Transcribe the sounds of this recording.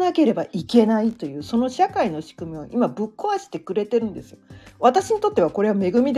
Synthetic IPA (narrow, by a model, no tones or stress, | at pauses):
nake̞ɾe̞baʔike̞nait̪o̞jɯ̟ːso̞no̞ɕakaino̞ɕi̥kɯ̟mʲiβaʔimabɯ̟kːo̞aɕi̥t̪e̞kɯ̟ɾe̞t̪e̞ɾɯ̟̃nd̪e̞sɨjoβat̪aɕiɲ̟it̪o̞t̪ːe̞βako̞ɾe̞βame̞ɡɯ̟mʲid̪